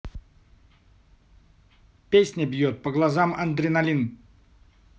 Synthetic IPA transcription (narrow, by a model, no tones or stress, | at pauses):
pʲesʲnʲəbʲjot̪̚pəɡlˠɐzamɐnd̪ɾʲɪnɐlʲin